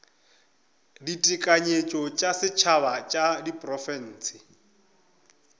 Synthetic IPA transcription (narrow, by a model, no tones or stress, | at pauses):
ditʼikʼaɲet͡ʃʼɔt͡ʃʼasɪt͡ʃʰaβat͡ʃʼadipʼrɔfɛn̩ːsɪ